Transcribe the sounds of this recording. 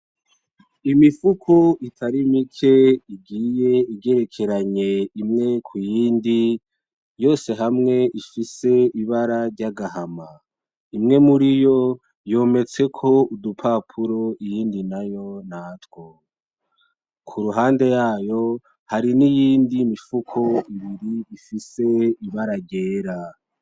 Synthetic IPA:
imifukʰoitʰaɾimikʰe̞iɡiːje̞iɡe̞ɾe̞kʰe̞ɾaɲe̞imŋe̞kʰujiːndi | jo̞ːse̞ɦamŋe̞ʔifise̞iβaɾaɾɟaɡaɦama | imŋe̞muɾijo̞ | jo̞ːme̞t͡se̞kʰo̞udupʰapʰuɾo̞ijiːndinajo̞naːtwo | kʰuɾuɦaːnde̞jaːjo̞ | haɾinijiːndimifukʰo̞iβiɾiifise̞iβaɾaɾɟe̞ːɾa

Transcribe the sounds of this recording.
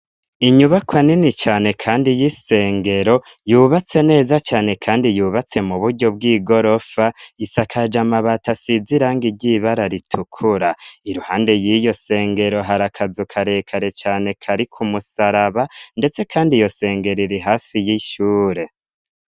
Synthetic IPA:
iɲuβakwaninit͡ʃaːne̞kʰaːndijise̞ːŋɡe̞ɾo̞ | juːβat͡se̞ne̞ːzat͡ʃaːne̞kʰaːndijuːβat͡se̞muβuɾɟo̞b̚ɡiːɡo̞ɾo̞faisakʰad͡ʒamaβatasiziɾaːŋɡiɾɟiβaɾaɾitʰukʰuɾaiɾuhaːnde̞jijo̞se̞ːŋɡe̞ɾo̞ɦaɾakʰazukʰaɾe̞ːkʰaɾe̞t͡ʃaːne̞kʰaɾikʰumusaɾaβande̞t͡se̞kʰaːndijo̞se̞ːŋɡe̞ɾiɾiɦaːfijiʃuːɾe̞

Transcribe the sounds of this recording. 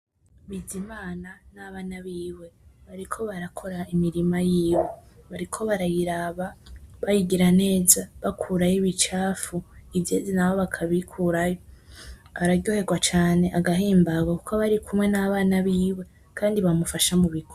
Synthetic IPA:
βizimaːnanaβaːnaβiːwe̞βaɾikʰo̞βaɾakʰo̞ɾaimiɾimajiːweβaɾikʰo̞βaɾajiɾaβaβajiɡiɾane̞ːzaβakʰuɾajiβit͡ʃaːfuivjeːzinaβoβakʰaβikʰuːɾajo̞ | aɾaɟo̞ːhe̞ɡwat͡ʃaːne̞ʔaɡaɦiːmbaɡwakukoβaɾikʰumŋe̞naβaːnaβiːwe̞ | kʰaːndiβamufaʃamuβikʰo

